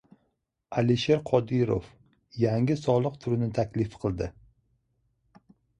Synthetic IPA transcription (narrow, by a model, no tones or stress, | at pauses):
aliʃeɾqʰɒd̪ɪɾo̰f | jaŋʲɪsɒlˠɨq̚t̪ʰʊɾnɪt̪ʰakʲlɪfqʰɨlˠd̪ɪ